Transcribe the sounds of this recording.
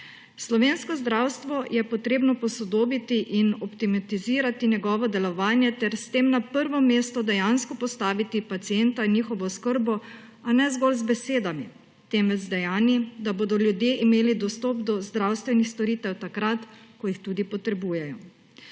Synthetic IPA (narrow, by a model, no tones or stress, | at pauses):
slɔʋeːnskɔzd̪ɾawst̪ʋɔjɛpɔt̪ɾeːbnɔpɔsɔd̪oːbit̪iʔinɔpt̪imat̪iziːɾat̪injɛɡɔːʋɔd̪ɛlɔʋaːnjɛt̪ɛɾst̪eːmnapəɾʋɔmeːst̪ɔd̪ɛjanskɔpɔst̪aːʋit̪ipat̪siɛnt̪ainjiːxɔʋɔskəɾbɔ | anɛzɡɔlzbɛseːd̪ami | t̪emɛzd̪ɛjaːnid̪aboːd̪ɔljud̪jeʔimeːlid̪ɔst̪ɔpd̪ɔzd̪ɾawst̪ʋɛnixst̪ɔɾiːt̪ɛwt̪akɾat̪kɔjixt̪uːd̪ipɔt̪ɾɛbuːjɛjɔ